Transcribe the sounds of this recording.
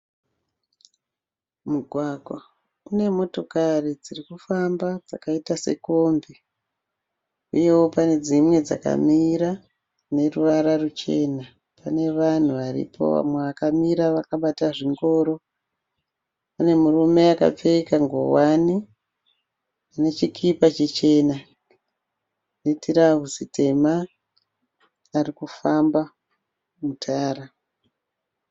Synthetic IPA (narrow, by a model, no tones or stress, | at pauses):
muɡʱwaɡʱwa | une̞mo̞to̞karid͡zirikufambad͡zakaitase̞̰ko̞mbe | uje̞wo̞pane̞d͡zimwe̞d͡za̰ka̰miɾa | ne̞ruʋaɾarut͡ʃe̞na | pane̞ʋan̤uʋaɾḭpo̞̰ʋa̰mwe̞ʋakamiɾaʋakaɓataʐiŋɡo̞ːɾo̞ | pane̞murume̞aka̰p͡fe̞kaŋɡo̞̰wani | ane̞t͡ʃikʰipat͡ʃet͡ʃe̞na | netiɾaɦusite̞ma | rikufamba | mutʰaːra